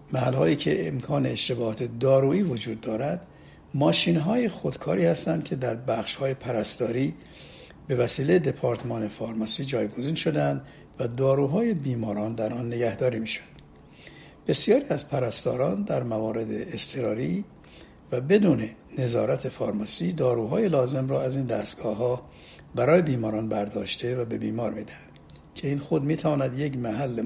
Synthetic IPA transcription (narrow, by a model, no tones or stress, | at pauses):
mæhælhɒːjiːcʰe̞ʔːmkʰɒːne̞ːʃt̪e̞bɒːhɒːt̪ʰe̞d̪ɒːɾuːiːvod͡ʒuːd̪ːɒːɾæd̪ | mɒːʃiːnɦɒːjexod̪kʰɒːɾiːhæst̪ænd̪̚cʰe̞d̪æɾbæχʃhɒːje̞pʰæɾæst̪ɒːɾiː | b̥e̞væsiːlejed̪e̞pʰɒːɾt̪ʰmɒːne̞fɒɾmɒsiːd͡ʒɒːjɡo̞ziːnʃo̞d̪æænd̪ | væd̪ɒːɾuːɦɒːje̞biːmɒːɾɒːnd̪æɾʔɒnːe̞ɡæhd̪ɒːɾiːmiʃo̥d̪̥ | b̥e̞sjɒːɾiːæzpʰæɾæst̪ɒːɾɒːnd̪æɾmævɒːɾe̞d̪ḛːst̪ʰe̞ɾɒːɾiː | væbe̞d̪uːne̞ne̞zɒːɾæt̪ʰe̞fɒːɾmɒsiːd̪ɒːɾuːɦɒːje̞lɒːze̞mrɒːæziːnd̪æːst̪ɡ̥ɒːɦɒː | bæɾɒːje̞biːmɒːɾɒːnbæɾd̪ɒ̰ːʃt̪ʰe̞væbe̞biːmɒːɾmid̪æhænd̪̥ | cʰe̞iːnxod̪miːt̪ʰævɒːnæd̪je̞cmæɦælːe